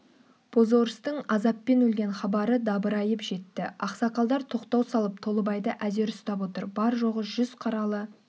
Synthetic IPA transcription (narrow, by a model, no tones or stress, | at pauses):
pʰo̞zo̞ɾəst̪əɴɑzɑpːe̞nɵlɡʲe̞nχɑbɑɾəd̪ɑbəɾɑjəpʒe̞t̪ːɪɑqsɑqɑlˠd̪ɑɾt̪ʰo̞qt̪ɑwsɑlˠəp̚t̪ʰo̞lˠəbɑjd̪əʔæze̞ɾʏst̪ɑpwo̞t̪əɾbɑɾʒo̞ʁəʒʏz̥qʰɑɾɑlˠə